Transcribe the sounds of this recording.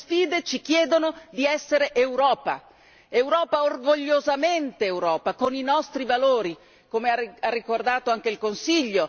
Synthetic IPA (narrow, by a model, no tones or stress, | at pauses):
sfiːd̪et͡ʃikjɛːd̪onod̪iɛsːeɾeʔewɾɔːpa̰ | ewɾɔːpaorɡoʎːozament̪eːwɾɔːpakoninɔst̪ɾivaloːɾi | komeaarːikord̪aːt̪oaŋk̟eilkonsiʎːo